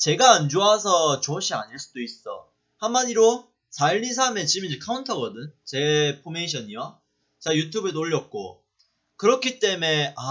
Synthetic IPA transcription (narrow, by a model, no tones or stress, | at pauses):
t͡ɕe̞ɡaːnd͡ʑoasʰʌt͡ɕoɕʰia̰ɲiɭs͈ud̥ois͈ʌ̰ | hanmːadiɾo | saʎːis̬ʰame̞t͡ɕimind͡ʑekʰauntʰʌɡʌdɯnt͡ɕe̞pʰomeiɕʰʌɲio | t͡ɕajutʰjube̞noʎːʌk̚k͈o̰ | kɯɾʌkʰit͈e̞me̞a